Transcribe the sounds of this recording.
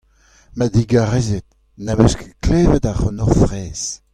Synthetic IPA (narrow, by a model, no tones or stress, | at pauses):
mad̪iɡaʁɛzet̪̚ | namøskklɛːvɛt̪aʁɔnɔʁfʁɛːs